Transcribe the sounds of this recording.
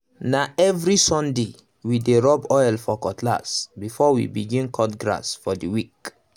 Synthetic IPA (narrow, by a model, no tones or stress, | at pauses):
naɛvɹisɔ̃nde | wideɹɔbɔjlfɔkɔtʰla̰sbifɔwḭbiɡĩnkʰɔtɡɹa̰sfɔdiwik